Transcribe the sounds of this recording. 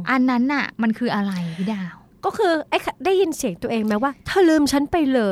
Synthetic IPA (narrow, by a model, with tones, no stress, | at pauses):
ʔa˧nːa˦˥nʔa̰˨˩ma˧nkʰɯː˧ʔa˧ɾa˧jʰi˧˩daː˧˩w | kɔː˥˩kʰɯː˧ʔa˥˩jkʰa˧daː˥˩jːi˧nsi˨˩˦əŋt̪u˧əʔeː˧ŋmɛ˦˥waː˥˩t̪ʰaː˥˩lɯː˧mt͡ɕʰa˦˥npa˧jlɤː˧